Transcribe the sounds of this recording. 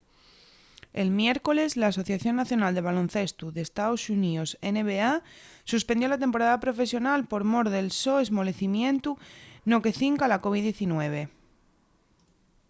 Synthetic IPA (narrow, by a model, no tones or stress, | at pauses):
e̞lmje̞ɾko̞le̞zlaːso̞θjaθjo̞nːaθjo̞nald̪e̞βalonθe̞st̪uðe̞st̪aosuniose̞ne̞βeasuspend̪jo̞lat̪e̞mpo̞ɾaðapɾo̞fe̞sjo̞nalpo̞ɾmo̞ɾðe̞lso̞ezmo̞le̞θimjẽ̞nt̪uno̞ke̞θiŋkalako̞β̞iðje̞θinwe̞β̞e̞